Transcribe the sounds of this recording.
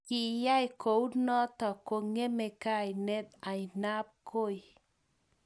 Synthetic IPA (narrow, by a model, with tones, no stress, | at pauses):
ki˨ja˦jko˨u˦nɔ˦tɔ˨ko˨ŋe˦me˨ka˦˨jnɛ˦t̪̚a˨jna˦p̚ko˦˨j